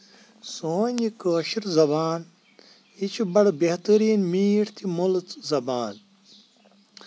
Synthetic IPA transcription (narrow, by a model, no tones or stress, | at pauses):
soːnʲikəːɕiɾzɐbaːn | it͡ʃʰibɐɽbeht̪əɾiːnmiːʈt̪ʰimolt͡szɐbaːn